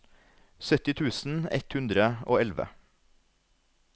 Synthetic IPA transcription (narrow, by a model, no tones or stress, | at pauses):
sœt̪ɪt̪ʰʉːsn̩ɛ̰t̪hʉnd̪ɾəo̰ːɛlʋə̰